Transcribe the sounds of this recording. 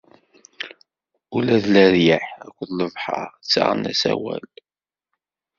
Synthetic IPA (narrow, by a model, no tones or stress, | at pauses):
ulæðlæɾjəħækʷːðləvħɑ̰ɾt͡sːa̰ʁənæsæwæl